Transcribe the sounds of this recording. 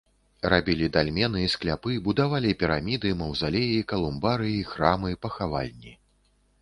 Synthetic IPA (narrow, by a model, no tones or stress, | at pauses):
rabʲilʲid̪alʲmʲɛnɨisklʲapɨbud̪avalʲipʲiɾamʲid̪ɨmɐwzalʲejiikɐlˠumbaɾɨixɾamɨipɐxava̰lʲnʲi